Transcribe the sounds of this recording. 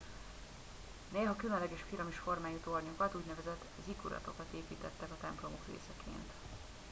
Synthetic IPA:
neːlɦɒkylønlɛɡɛːʃfiɾɒmiʃfo̞rmaːjut̪o̞rɲokɒt̪uːɟnɛvɛzɛt̪ː | zikuɾɒ̰t̪o̞kɒt̪eːpiːt̪ɛt̪ːɛkɒt̪ɛmplo̞mo̞krḛːsɛkʰḛːnt̪

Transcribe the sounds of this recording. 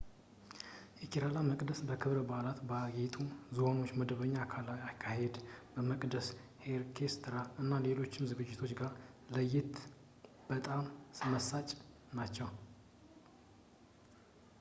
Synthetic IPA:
jɛkʰiɾalaməkʼd̪əsbəkʰɨβɾbalat̪baɡet̪ʰʼuzɨwano̞t͡ʃːməd̪əβəɲːakʰalajakʰːahe̞d̪bəməkʼd̪əsheɾkʰest̪ʰɾaɨnːale̞lo̞t͡ʃːɪmzɨɡɨd͡ʒːɪt̪ʰo̞t͡ʃːɡaɾləjːɪt̪ | b̥ət̪ʼamsɨməsat͡ʃʼ | nat͡ʃːɛw

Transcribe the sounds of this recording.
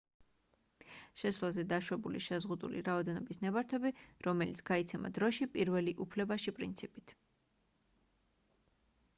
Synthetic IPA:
ʃɛsvlˠazɛd̪aʃwɛbulḭʃɛzʁud̪ṵlḭɾaɔd̪ɛnɔbisnɛbaɾt̪ʰɛbiɾɔmɛlit̪sʰɡ̥ait̪sʰɛma̰d̪ɾɔʃipʼiɾvɛliʔupʰlɛbaʃipʼɾḭnt̪sʰipʼit̪ʰ

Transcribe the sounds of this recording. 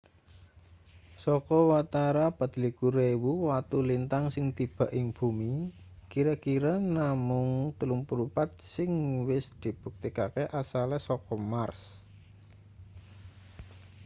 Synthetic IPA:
sɔkɔwat̪aɾabad̪̥likuɾewuwat̪ulint̪aŋsɪŋt̪ib̥ä̤ʔɪŋb̥umi | kiɾakiɾanamʊŋt̪əluŋpəɾupat̪̚sɪŋwɪsd̪̥i̤b̥uk̚t̪ikakeʔasalɛsɔkɔmars

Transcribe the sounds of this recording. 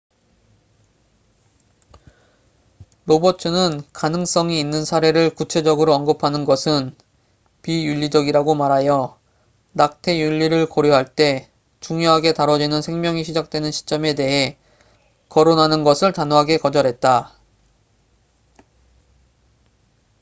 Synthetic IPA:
ɾobʌt͡ɕʰɯnɯnkanɯŋs͈ʌŋiːnːɯnsʰaɾe̞ɾɯɭkut͡ɕʰe̞d͡ʑʌɡɯɾoʌnɡɯpʰanɯnɡʌsʰɯn | pijuʎːid͡ʑʌɡiɾaɡomaɾajʌ | nak̚tʰe̞juʎːiɾɯɭkʌɾjoɦaɭt͈e̞ | t͡ɕuŋjoɦaɡe̞taɾʌd͡ʑinɯnsʰe̞ŋmjʌŋiɕʰid͡ʑak̚t͈we̞nɯnɕʰi̥t͡ɕ͈ʌme̞de̞ɦe̞ | kʌɾonɦanɯnɡʌsʰɯɭtanoɦaɡe̞kʌd͡ʑʌɾɦe̞t̚t͈a

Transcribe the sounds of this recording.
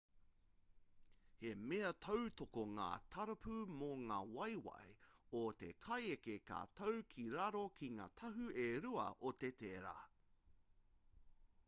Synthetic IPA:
hemeɐt̪ʰɐwt̪okoŋa̰ːt̪ʰɐɾɐpʰʉmoŋaːwɐjwɐ̰jot̪ḛkʰɐjekeka̰ːt̪ʰɐwkʰiɾɐɾokʰiŋa̰ːt̪ʰɐɦʉeɾuɐ̰ʔot̪et̪eɾa̰ː

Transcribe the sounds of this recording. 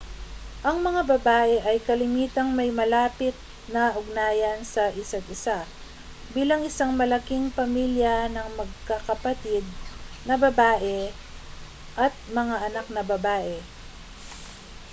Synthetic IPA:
ʔɐŋmɐŋabɐbaːʔɛʔɐjkɐlɪmiːt̪ɐŋmɐjmɐlaːpɪt̪̚ | nɐʔʊɡ̚naːjɐnsɐʔɪsad̪ɪsa | biːlɐŋʔɪsaŋmɐlɐkiŋpɐmiːljɐnɐŋmɐɡ̚kɐkɐpɐt̪id̪̚nɐbɐbaːʔɛ | ʔɐt̪̚mɐŋaʔɐnak̚nɐbɐbaːʔɛ

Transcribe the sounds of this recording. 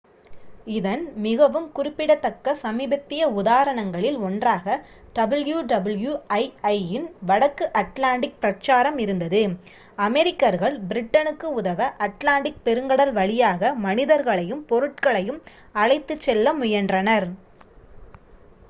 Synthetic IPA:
ɪðɐnmɪɣɐʋɯmkʊɾɪpːɪɽɐt̪ːɐkːɐsɐmiːbɐt̪ːɪjɐʊðaːɾɐɳɐŋɡɐɭɪlɔndraːɣɐ | ɖ̥ɐbɯljuːɖɐbɯljuɐɪɐɪɪnʋɐɽɐkːɯʔɐʈlaːɳɖɪk̚pɾɐt͡ʃːaːɾɐmɪɾɯnd̪ɐðɯ | ɐmɛɾɪkːɐɾɣɐɭbɪɾɪʈːɐnɯkːɯʊðɐʋɐʔɐʈlaːɳɖɪk̚pɛɾɯŋɡɐɽɐlʋɐɭɪjaːɣɐmɐnɪðɐɾɣɐɭɐjɯmpɔɾɯʈ̚kɐɭɐjɯm | ɐɻɐɪt̪ːɯt͡ʃːɛlːɐmʊjɐndrɐnɐɾ

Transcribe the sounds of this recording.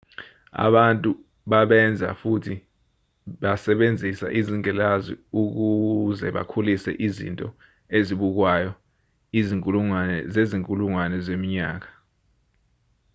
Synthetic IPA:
a̰ɓantʼu | ɓaɓɛnd͡zʱa̰futʰi | ɓasɛɓend͡zʱisa̰ʔiziŋʱɛlazḭuk̬uzɛɓa̰kʰulisɛ̰ʔizḭntʼɔ | eziɓuk̬wajɔ | iziŋkʼuluŋanɛzeziŋkʼuluŋwanɛzemiɲaːk̬ḁ

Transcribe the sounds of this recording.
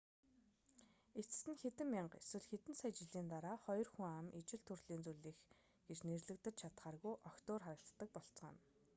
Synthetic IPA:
et͡sɘ̥̆sɘ̆nxet̪ɘ̆mːiɴɢḛswɘ̆ɮxet̪ɘ̆nsajt͡ɕɪ̆ɮiːnt̪aɾaːχɔjɞ̆rxuŋamit͡ɕɪ̆ɬt̪ʰurɮiːnt͡suɮiːx | ɡ̥et͡ɕnerɮɘ̆kt̪ɘ̆t͡ɕt͡ɕʰat̪χaːrɣujʔɔkt̪ʊːrχaɾə̆ɬt̪ːə̆k̚pɔɬt͡s̆ʁə̰̆n

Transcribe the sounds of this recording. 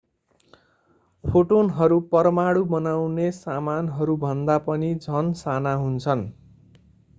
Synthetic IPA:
pʰoʈonɦʌɾupʌrmaɽubʌnawnesamanɦʌɾubʱʌnd̪apʌnid͡zʱʌnsanaɦunt͡sʰʌn

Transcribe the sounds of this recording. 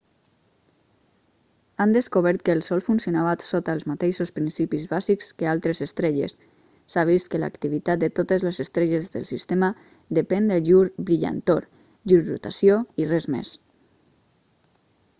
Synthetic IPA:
and̪əskoβɛɾt̪̚kəːlˠsɔlˠfunsionaβat̪sot̪alˠzmat̪eʃospɾinsipizβazikskəalˠt̪ɾezəst̪ɾeʎḛsː | aβ̞ist̪kəla̰kt̪iβit̪at̪̚d̪ət̪ot̪əzləzəst̪ɾeʎezðə̰lˠsist̪emə | d̪əpɛnd̪əʒuɾbɾiʎa̰nt̪oɾ | ʒuɾrṵt̪asjoirɛzmḛs

